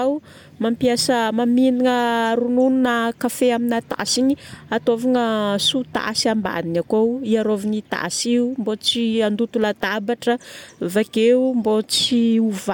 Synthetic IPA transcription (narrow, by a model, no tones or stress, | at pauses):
aw | mampiasəmaminiŋəɾunununəkafeaminat̪a̰siɲiat̪ovaŋəsut̪a̰siamba̰ninakowiaɾovinit̪a̰ʔsiumbot͡siand̪ut̪ulat̪abaʈ͡ʂəvakeumbot͡siuva